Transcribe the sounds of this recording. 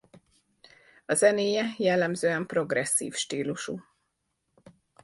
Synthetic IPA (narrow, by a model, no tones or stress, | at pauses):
ɒzɛneːjɛjɛlːɛmzøːɛmpro̞ɡrɛsːḭːfʃt̪iːluʃu